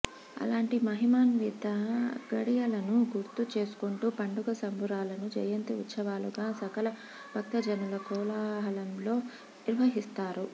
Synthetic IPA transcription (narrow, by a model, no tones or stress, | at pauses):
ɐ̰laːɳʈimɐɦimaːnʋit̪ɐɡɐɽijɐlɐnuɡuɾt̪ut͡ʃe̞ːsu̥kuɳʈuːpɐɳɖuɡɐsɐmbuɾaːlɐnud͡ʒɐjɐnt̪iut̪sɐʋaːluɡaːsɐkɐlɐ | bʱɐk̚t̪ɐd͡ʒɐnulɐkɔːlaːɦɐlɐmlo̞ː | niɾʋɐɦist̪aːɾu